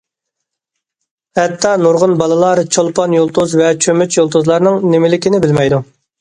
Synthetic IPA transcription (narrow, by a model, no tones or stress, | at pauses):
hɛt̪ʰːɑnuɾʁʊnbɑlˠɨlˠɑːɾɨt͡ʃʰolˠpɑnjolˠt̪uzvɛt͡ʃʰømyt͡ʃjolˠt̪ʰuzlˠɑɾnɨŋnɪmɪlɪkʲinɪbɪlmɛjd̪u